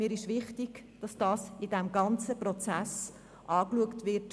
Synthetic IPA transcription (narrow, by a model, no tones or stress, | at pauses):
miːɾɪʃʋɪχtiɡ̥ | d̥ɑsd̥ɑːsɪdɛmɡɑnt͡səprɔt͡sæs | ʔɑːkluəktʋɪrt